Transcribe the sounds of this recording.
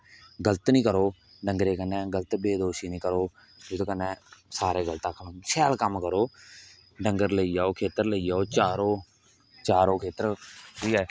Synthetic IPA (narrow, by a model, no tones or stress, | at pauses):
ɡələt̪nĩːkəɾoː | ɖəŋɡɾeːkənːeːɡələt̪beːd̪oːʃiːnĩːkəɾoː | d͡ʒɪd̪õːkənːeːsaːɾeːɡəlt̪aːkʰəlːsɛːlkəmkəɾoː | ɖəŋɡəɾləiːaːoːkʰeːt̪əɾləiːd͡ʒaːoːt͡ʃaːɾoː | t͡ʃaːɾõːkʰeːt̪əɾɾiːɛː